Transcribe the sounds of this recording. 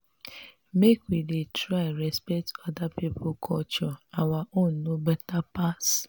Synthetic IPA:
mekwidetɾaɪɾɛspɛktɔdapipʰʊkʰɔt͡ʃɔawaʔon̩nobɛtapas

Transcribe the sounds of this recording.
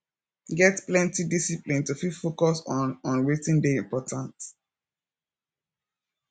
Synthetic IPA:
ɡɛtplɛ̃ntidisiplĩntufidfokɔsɔ̃nɔ̃nwetĩndeĩmpɔtʰãnt

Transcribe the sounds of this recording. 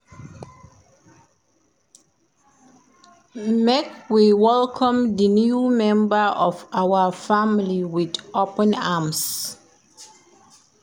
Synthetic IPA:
mɛkwiwɛlkʰɔ̃mðənjumɛ̃mbəʔɔvawəfamliwidʔopə̃nams

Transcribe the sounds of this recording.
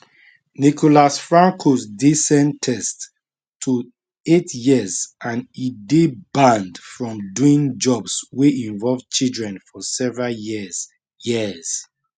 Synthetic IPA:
nikʰolasfɹãŋkʰosdisɛ̃ntʰɛstːʰ | u | etjizʔãnidebãndfɹɔ̃mduĩŋd͡ʒɔbsweĩɱvɔlvt͡ʃildɹɛ̃nfɔsɛvɹaljiz | jiz̥

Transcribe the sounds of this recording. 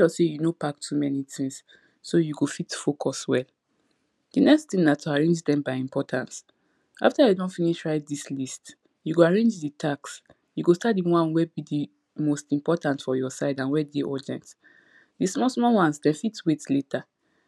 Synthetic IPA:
ɔsejunopaktʰumɛnitʰĩŋsː | ojuɡofitfokʰɔswɛl | d̥inɛkstĩmnatʰuaɹẽnd͡ʒdɛ̃mbaɪĩmpɔtʰãns | a̰ftaedɔ̃nfiniʃɹaɪt̚dislist | juɡoaɹẽnd͡ʒditʰaks | juɡostat̚diwãnwɛbidi | mostĩmpɔtãntfɔjɔsaɪdãnwɛdeʔɔdɛ̰̃nt | dismɔsmɔwãnsdɛ̃nfitwetleta

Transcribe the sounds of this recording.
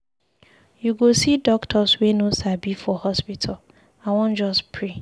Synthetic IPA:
juɡosidɔktʰɔswenosabifɔhɔspitʰal | aɪwɔ̃n̩d͡ʒɔspʰɹe

